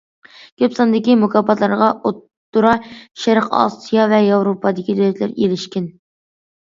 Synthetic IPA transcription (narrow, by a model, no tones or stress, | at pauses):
kʲøpsɑnd̪ɪkʲimukʰɑpɑt̪lˠɑɾʁɑʔot̪ːuɾɑʃæɾqɑ̰sijɑvɛjɑwɾopʰɑd̪ɪkʲid̪ølɛt̪lɪ̰ɾjḛlɪʃkʲɪn